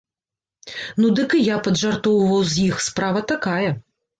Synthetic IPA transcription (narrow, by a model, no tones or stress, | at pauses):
nud̪ɨkɨjapɐd̪ʐart̪ɔwvɐwzʲjixspɾavɐt̪akajɐ